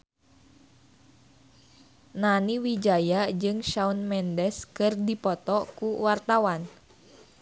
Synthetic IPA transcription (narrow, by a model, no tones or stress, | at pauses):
naniwid͡ʒajad͡ʒɨŋʃaunmɛndɛskɨrdipɔt̪ɔkuwart̪awan